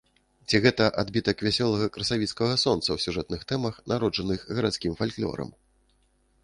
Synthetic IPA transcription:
t͡sʲiɣɛt̪ɐʔad̪bʲit̪ɐkvʲasʲɔlˠɐɣɐkɾɐsavʲit̪skɐɣɐsɔnt̪sɐwsʲuʐɛt̪nɨxt̪ɛmɐxnʔaɾɔd͡ʐɐnɨxɣɐɾat̪skʲimfalʲklʲɔ̰ɾɐ̰m

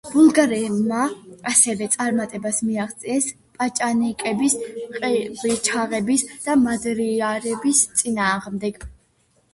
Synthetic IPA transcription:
b̥ulˠɡaɾɛmaasɛvɛt̪sʼaɾmat̪ʼɛbasmiaʁt̪sʼiɛs | pʼat͡ʃʼanikʼɛbisqʼɛbit͡ʃʰaʁɛbisd̪̥amad̪ɾiaɾɛbist̪sʼinaːʁmd̪ɛɡ̥

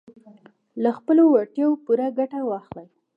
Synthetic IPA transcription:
laxpəlowaʈjɑwpuɾaɡaʈawɑxlaj

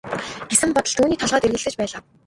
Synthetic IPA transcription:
ɡ̥esɘ̆mpɔt̪ɞ̆ɬt̪uːniːt̪ʰɔɮʁœːt̪erɣɘ̆ɮt̪ɘ̆t͡ɕpæːɮaː

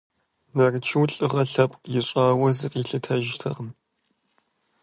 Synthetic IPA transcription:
nɐrɨt͡ʃʰɨwɬʼɨʁɐɬɐpʼqjɪɕʷʼaːwɐzɨqʼiːɬɨtʰɐʒtʰɐ̰ʁəm

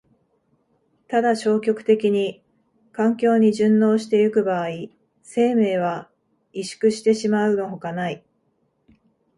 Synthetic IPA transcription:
t̪ad̪aɕo̞ːkʲo̞kɯ̟̥t̪e̞kʲiɲ̟i | kãŋkʲo̞ːɲ̟iʑɨ̃nːo̞ːɕi̥t̪e̞jɯkɯ̟baːi | se̞ːme̞ːβ̞a | iɕɨ̥kɯ̟ɕi̥t̪e̞ɕimaɯ̟no̞ɦokanai

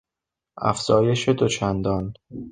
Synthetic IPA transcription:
ʔæ̰fz̥ɒːje̞ʃe̞d̪o̞t͡ʃʰænd̪ɒːn

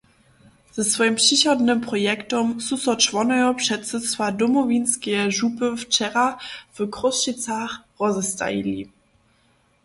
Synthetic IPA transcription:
z̥ɛsv̥ɔjəmpɕiɕɔdnəmpʁɔjɛktɔmsusɔt͡ʃvɔnɛjɔpʃɛtt͡sət͡svadɔmɔvinskɛɛʒupəft͡ʃɛʁavəkʁɔsʃit͡saχʁɔzɛsta̰ḭlḭ

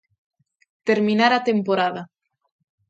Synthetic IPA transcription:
t̪eɾmĩnaɾat̪empoɾaða

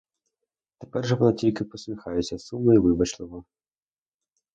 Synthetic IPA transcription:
t̪ɛpɛrʐɛpɐnatʲilʲkʲipɐsʲmʲixajɛsʲɐsumːɨivɨbɐt͡ʃlˠɨɣɐ

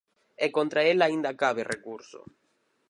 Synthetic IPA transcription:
ɛkont̪ɾaelaind̪akaβerekuɾso̰

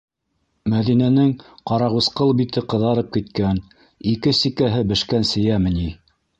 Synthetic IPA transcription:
mæðinænɘŋqɑɾɑʁusqɤlˠbit̪ɘqɤ̆ðɑɾɤp̚kit̪̚kæn | ikɘsikæɦɘbɘ̆ʃkænsɘ̆jæmɘ̆ni

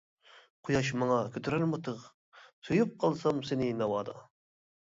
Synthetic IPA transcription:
qʰojɑʃmɑŋɑkʲʰøt̪ʰyɾæɾmot̪ʰəʁ | sujuq̚qʰːɑlˠsɑmsɪnɪnɑwɑːd̪ɑ̰

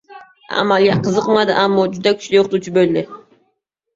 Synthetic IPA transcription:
a̰malˠɡʲaqʰəzɨqmad̪ɪʔamːɒd͡ʒʊd̪akʲʰy̥t͡ʃʰlɪjoqʰχʊt̪ut͡ʃʰɪbølːɪ

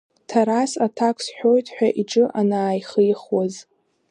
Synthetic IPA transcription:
tʰaɾasatʰakʷʰsħʷᶣo̞jtʰʼħʷᶣaʔiʈ͡ʂʼɨʔanaːjχəjχwaz

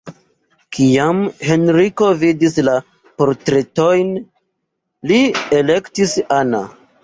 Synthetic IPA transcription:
kʰiamhe̞nɾiko̞vidisla | po̞ɾtɾe̞to̞jn | lie̞le̞ktisana̰

